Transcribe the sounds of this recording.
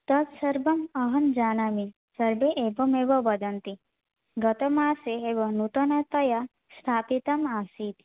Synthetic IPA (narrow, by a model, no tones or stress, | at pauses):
t̪ɐt̪sɐɾbɐmɐɦɐnd͡ʒaːnami | sɐɾbeʔebɐmeːbɐbɐd̪ɐnt̪i | ɡɐt̪ɐmaːseebɐnut̪ɐnɐt̪ɐja | st̪ʰaːpit̪ɐmaːsit̪